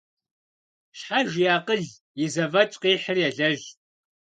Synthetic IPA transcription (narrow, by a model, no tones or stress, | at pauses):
ɕħaʒjaːqəɮ | jɪzɐvɐt͡ʃʼqiːħərjɛɮɐʒ